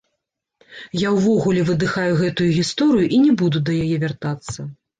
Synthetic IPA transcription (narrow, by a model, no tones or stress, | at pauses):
jawvɔɣulʲɛvɨd̪ɨxajuɣɛt̪ujuɣʲist̪ɔɾɨjuʔinʲɛbud̪ud̪ɐjajɛvʲart̪at̪sːɐ